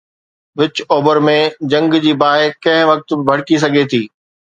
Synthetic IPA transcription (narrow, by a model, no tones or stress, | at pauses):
ʋɪt͡ɕoːbəɾmẽd͡ʑɐ̃ŋɡd͡ʑiːbaːɪkɐ̃ɦɪ̃ʋɐk̚t̪bɪbʱɐɽ̤kis̬ɐɡʱet̪ʰiː